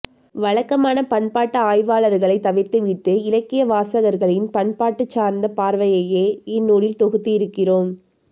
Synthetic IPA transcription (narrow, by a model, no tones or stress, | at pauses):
ʋɐɻɐkːɐmaːnɐpɐɳpaːʈːɐaːjʋaːɭɐɾɣɐɭɐɪt̪ːɐʋɪɾt̪ɯʋɪʈːɯɪlɐkːɪjɐʋaːsɐɣɐɾɣɐɭɪnpɐɳpaːʈːɯt͡ʃːaːɾnd̪ɐpaːɾʋɐjɐjeːɪnːoːɽɪlt̪ɔɣɯt̪ːiɪɾɯkːɪroːm